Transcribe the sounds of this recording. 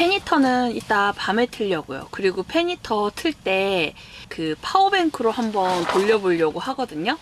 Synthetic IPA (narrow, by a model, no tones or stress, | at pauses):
pʰe̞ɲitʰʌnɯnit͈apametʰɯʎːʌɡṵjo̰kɯɾiɡopʰe̞ɲitʰʌtʰɯɭt͈e̞ | kɯpʰaobe̞ŋkʰɯɾohambʌntoʎːʌboʎːʌɡoɦaɡʌdɯɲo